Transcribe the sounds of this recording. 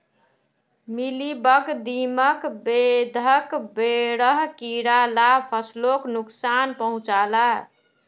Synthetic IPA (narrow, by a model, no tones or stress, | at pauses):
milibəkd̪iməkbed̪ʱəkbeɽəɦkiɾalapʰəsloknuksanpəɦũt͡ʃala